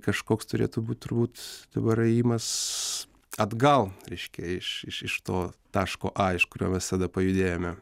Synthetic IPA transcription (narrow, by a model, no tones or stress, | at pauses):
kɐʃkoːkst̪ʊɾʲḛːt̪ʊbuːt̪̚ʲt̪ʊrbuːt̪d̪̥ɐbɐɾɐiːmɐs | ɐd̪ɡɐlˠɾʲɛɪʃʲkʲɛɪʃɪʃɪʃt̪oːt̪ɑːʃkoːʔɑːɪʃkʊɾʲoːmʲɛssɐd̪ɐpɐjʊd̪ʲeːjoːmʲɛ